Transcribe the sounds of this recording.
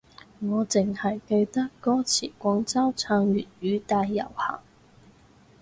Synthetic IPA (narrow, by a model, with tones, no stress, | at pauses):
ŋɔː˨˧t͡sɪ˨ŋhɐ˨˩jkɵ˧ɥt̪ɐ˥kːɔː˥t͡sʰiː˨˩kʷɔ˨˧ŋt͡sɐ˥wt͡sʰœː˧ŋɥyː˨˩t̚jyː˨˧t̪aː˧jːɐ̰˨˩whɐ̰ː˨˩ŋ